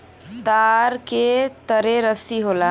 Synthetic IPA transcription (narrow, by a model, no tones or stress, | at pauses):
t̪aɾket̪əɾeɾəsiɦola